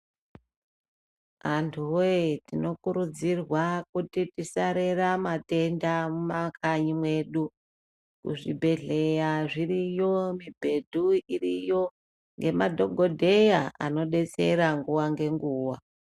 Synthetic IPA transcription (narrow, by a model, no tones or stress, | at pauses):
antʰuoetino̞kuɾud͡zirwakutitisaɾe̞ramate̞ndamumakaɲimwe̞ɗu | kṵʐibʱe̞ɮe̞jaʐiɾijo̞mibʱe̞dʱuirijo̞ | ŋɡemadʱo̞ɡʱo̞dʱe̞jaa̰no̞ɗe̞t͡se̞̰ɾaŋɡuwaŋɡe̞ŋɡuːwa